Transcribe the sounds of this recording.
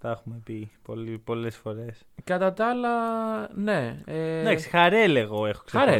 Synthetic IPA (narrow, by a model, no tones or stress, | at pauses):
t̪ɐexume̞pipolipo̞le̞sfo̞ɾe̞s | kɐt̪ɐt̪ɐlɐne̞ed̪ɐksi̥xɐɾeleɣo̞e̞xo̞kseɐɾe